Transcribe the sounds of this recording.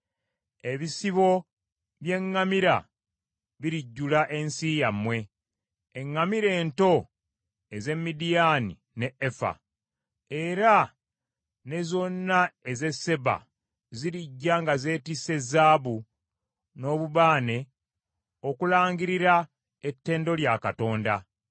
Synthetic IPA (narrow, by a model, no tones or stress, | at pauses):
e̞βisiβo̞ | βje̞ŋːamiɾa̰ | βiɾiɟːulaʔe̞nsijamwe̞ː | ŋːamiɾe̞ːnto̞ | eze̞mːidijanḭ | ne̞efa̰ | e̞ɾa | ne̞zo̞nːae̞ze̞sːe̞βa̰ | ziɾiɟːaŋɡaze̞ːtise̞zaːβu | no̞ːβuβaːne̞ | o̞kulaːŋɡiɾiɾa | etːe̞ːndo̞ljakato̞ːnda